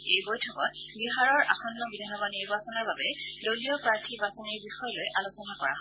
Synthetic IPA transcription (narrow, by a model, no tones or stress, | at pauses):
ejbojtʰɔkɔt | biɦaɹɔɹʔa̰xɔnːɔbidʱanɔbaniɹbasɔnɔɹbabɛ | doliɔpɹaɹtʰibasɔniɹbixɔjɔlojʔalosɔnakɔɹa̰ɦɔ